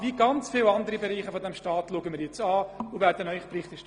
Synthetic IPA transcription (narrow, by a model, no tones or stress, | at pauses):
viːɡɑnt͡sfɪːlɑndəɾibeɾiːχəfɔdɛmʃtɑːtluɡənmɪːɾjɛt͡sɑːuvæːɾdənœʏχprɪχt̪ɪʃ